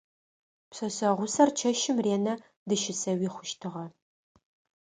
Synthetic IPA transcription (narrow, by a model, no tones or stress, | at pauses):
psɐsɐʁʷʊsɐrt͡ʃʰɐʃɪmreːnɐ | dɨʃɪsɐwiːχʷʊʃtʰɨʁɐ